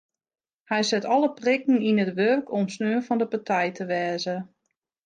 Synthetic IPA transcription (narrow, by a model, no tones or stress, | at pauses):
hɛjsɛtʰɔləprɪkn̩inətʋørkʰɔmsnøːənfɔndəpatʰɛjtʰəʋɛːzə